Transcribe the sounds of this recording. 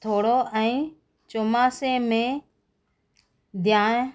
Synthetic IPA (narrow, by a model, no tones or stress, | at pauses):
t̪ʰoːɽoːʔɛ̃ː | t͡ʃoːmaːseːmẽː | d̪ʱjaːɳ